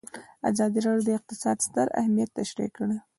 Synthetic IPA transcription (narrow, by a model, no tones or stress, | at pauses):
a̰zɑd̪iɾɑɖjod̪əɪq̚t̪ɪsɑd̪st̪əɾa̰hmijat̪ːaʃɾḭkəɽə